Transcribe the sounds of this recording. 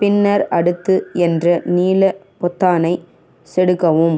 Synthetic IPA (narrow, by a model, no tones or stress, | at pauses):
pɪnːɐɾɐɽɯt̪ːɯɛndrɐniːlɐ | pɔt̪ːaːnɐɪ | sɛɽɯkːɐʋɯm